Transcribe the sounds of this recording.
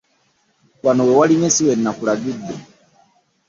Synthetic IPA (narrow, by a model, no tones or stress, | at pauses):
wanowɛwaliɲesiwennakulaɡidːo